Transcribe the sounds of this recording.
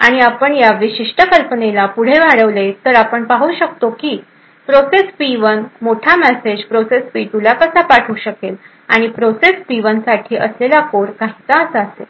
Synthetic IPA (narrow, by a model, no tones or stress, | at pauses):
aɽ̃iapəɳjaʋiɕiʂʈʰəkəlpənelapuɽ̤eʋaɽəʋlet̪əɾapəɳpaɦuːɕək̚t̪okiː | pɾosespiʋənmoʈʰamɛsed͡ʑpɾosespit̪ulakəsapaʈʰuːɕəkel | aɽ̃ipɾosespiʋənsaʈʰiːʔəslelakoɾkaɦit̪aəsəəsḛ